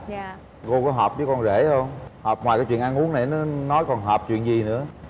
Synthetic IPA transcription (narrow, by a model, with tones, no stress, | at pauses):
ɣo˧kɔ˨˦ɦɔː˨˩p̚zə˨˦jkɔ˧nze˧˩hə˧wŋ͡mhɔː˨˩p̚ŋwaː˨˩jkaː˨˦t͡ɕw̰i˧˨nʔa˧nʔu˨˦əŋna˨˩jnɔ˨˦nɔ˨˦jkɔ˨˩nɦɔː˨˩p̚t͡ɕwḭ˧˨ənzi˨˩nɨ̰˧˥ə